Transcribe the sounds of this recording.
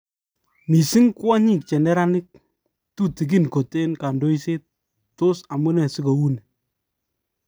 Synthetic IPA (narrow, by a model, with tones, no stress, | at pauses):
mi˨si˦ŋka˦ɲi˦k̚t͡ʃɛ˨nɛ˦ɾa˦nɪ˦k̚ | tu˦ti˨k̬i˦nko˨te˦nka˨ndo˦i˦se˦t̚ | to˦sa˨mu˦nɛ˨si˦ko˨wu˦ne˨